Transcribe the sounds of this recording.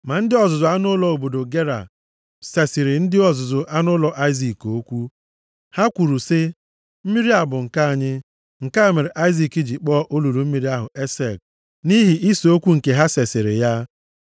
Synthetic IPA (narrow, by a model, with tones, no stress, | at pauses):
ma˨n̩˦dɪ˦ɔ˨zʊ˨zʊ˨a˦nʊ˦lɔ˨o˨bo˨do˨ɡe˦ɾa̰˨ | se˨sɪ˨ɾɪ˨n̩˦dɪ˦ɔ˨zʊ˨zʊ˨ʔa˦nʊ˦lɔ˨ʔa˦ɪ˦zi˨ko˦kʷu˦ | ha˦kʷu˨ɾu˨sɪ˦ | m̩˦mi˦ɾi˦a˦˨bʊ˨ŋ̩˨ka˦a˨ɲɪ˦ | ŋ̩˨ka˦˨me˨ɾe˨ʔa˦ɪ˦zi˨ki˦d͡ʒi˨k͡pɔ˦ʔo˦lu˨ɾu˨m̩˦mi˨ɾi˦a˦ɦʊ̰˨ʔe˦se˨k̚ | ni˦ɦi˨ʔi˦so˦kʷu˦ŋ̩˨ke˨ɦa˦se˨sɪ˨ɾɪ̰˨ja˦